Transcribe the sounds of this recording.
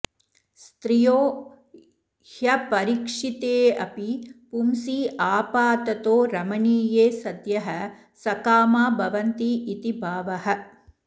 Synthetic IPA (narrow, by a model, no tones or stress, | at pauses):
st̪ɾijoː | hjɐpɐɾikʂit̪eːɐ̰pipumsiːʔaːpaːt̪ɐt̪oːɾɐmɐɳiːjeːsɐd̪jɐɦɐ | sɐkaːmaːbʱɐʋɐnt̪iʔːt̪ibʱaːʋɐhɐ